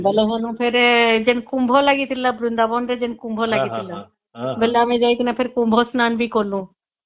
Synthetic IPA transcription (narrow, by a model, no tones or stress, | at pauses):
bɛleɦolũpʰeɾd͡ʒenkumbʱolaɡit̪ʰilabɾund̪abɔnɾed͡ʒenkumbʱolaɡit̪ʰila | beleamid͡ʒajt̪inapʰeɾkumbʱosnanbikoɾlũ